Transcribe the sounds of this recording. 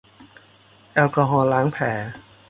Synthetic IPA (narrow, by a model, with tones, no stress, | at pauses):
ʔɛ˧wkɔː˧ɦɔː˧laː˦˥ŋpʰɛː˩˦